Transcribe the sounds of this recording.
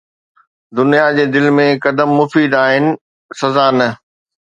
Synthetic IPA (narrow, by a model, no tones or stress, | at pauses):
d̪ʊnijad͡ʑeːd̪ɪlmẽkɐd̪əmːʊfiːd̪aːɦɪnɪ̆ | sɐzaːnɐ